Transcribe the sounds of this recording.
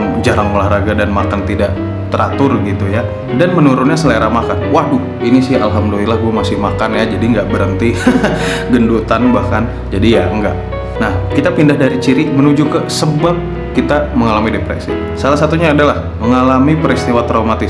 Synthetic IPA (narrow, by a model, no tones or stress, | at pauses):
d͡ʒaɾaŋolahɾaɡadanmakant̪idaʔ | t̪əɾa̰t̪ʊrɡit̪uja | danmənuɾʊnɲasəleɾamakanwahdʊ | inisihalɦamdulilahɡuamasɪhmakanjad͡ʒadiŋɡaʔbəɾənt̪i | ɡəndut̪anbahkan | d͡ʒadijaəŋɡaʔ | nahkit̪apindahdaɾit͡ʃiɾimənud͡ʒukəsəbap̚ | kit̪aməŋalamidepɾḛsḭ | salahsat̪uɲaːdalah | məŋalamipəɾist̪iwat̪ɾaumat̪ɪ